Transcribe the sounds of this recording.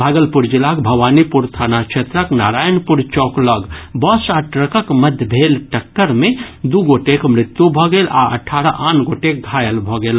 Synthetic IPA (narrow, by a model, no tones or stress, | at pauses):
bʱaːɡəlpuɾd͡ʒilakbʱɐwaːnipuɾt̪ʰaːnakʃʰet̪ɾəknaːɾaːjənpuɾt͡ʃɔːkləɡbɔsaʈɾəkəkməd̪ʱbʱeːlʈəkːəɾmẽd̪uɡoʈekmɾɪt̪jubʱɔɡelʔa̰ʔə̰ʈʰːaːɾaʔaːnɡoʈek̚ɡʱaːjəlbʱɔɡeːl